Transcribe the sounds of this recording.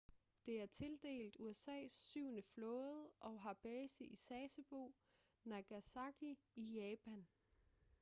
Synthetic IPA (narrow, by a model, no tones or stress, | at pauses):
d̥e̝æɐt͡sʰe̝ld̥e̝̰ːld̥uesɛ̰ːsːyʊ̰nəflɔ̽ːð̩ˠʔɒ̽ɦɑ̈b̥ɛːsiʔisɛːsəb̥o̝̰ː | næɡ̥æsɑ̈ɡ̥iijɛːpʰæn